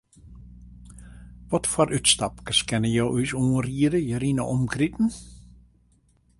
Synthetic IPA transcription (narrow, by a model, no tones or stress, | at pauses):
ʋɔtfɔɾʔytstapkəskɛnəjɔwʔysuːriːəɾəjəɾinə̰ʔɔmkɾitn̩